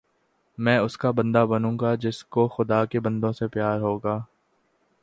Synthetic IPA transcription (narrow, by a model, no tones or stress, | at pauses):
mɛ̃ːʊskabɐ̃nd̪abɐnũːɡad͡ʒɪskoxʊd̪aːkebɐ̃nd̪õsepjaːɾɦoːɡaː